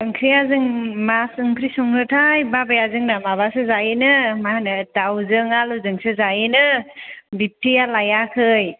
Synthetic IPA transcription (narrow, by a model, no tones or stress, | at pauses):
ɯŋkʰɾijazɯŋmasɯŋkʰɾisɔŋɾɯtʰajbabajazɯŋnamaβasɯzainɯmahanɯdawzɯŋaluzɯŋsɯzainɯbip̚tʰijalajakʰɯj